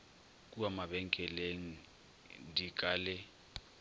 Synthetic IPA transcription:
kʼuamaɓɛŋkʼɛleŋ̩ | dikʼaːlɛ

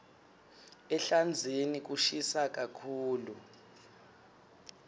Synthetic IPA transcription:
ɛɬand͡zʱenik̬uʃisak̬ʼakʰuːlu

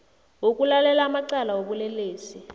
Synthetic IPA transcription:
wukʼulalɛlaːmaǀalawoɓulɛleːsi

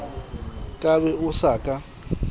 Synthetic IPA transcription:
kʼaβɛʊsaːkʼa

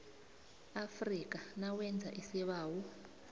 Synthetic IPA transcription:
afrik̬ʼanawɛnd͡zʱaʔisiβaːwɔ

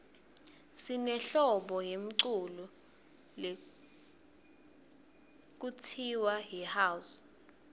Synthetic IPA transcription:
sinɛɬɔɓɔjem̩ǀulu | le | k̬utʰiwaɦihaːwus

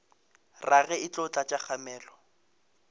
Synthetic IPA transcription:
raɣɛɪt͡ɬʊt͡ɬʼat͡ʃʼak͡xʰamɛːlɔ

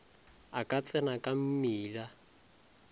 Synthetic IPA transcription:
akʼat͡sʼɛnakʼam̩miːla

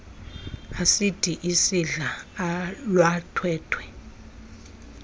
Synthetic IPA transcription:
asitʰʼiʔisiɮa | lwatʰwɛːtʰwɛ

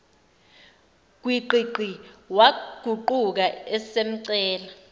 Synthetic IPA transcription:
k̬wiǃiǃʱiwaɡ̥ʱuǃuk̬aɛsem̩ǀɛːla

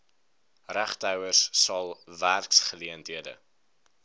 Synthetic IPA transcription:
ræχtœwərsːɐlˠværksχəliəntɦiədə̰

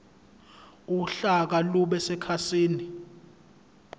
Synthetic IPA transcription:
uɬak̬aluɓɛsɛkʰasiːni

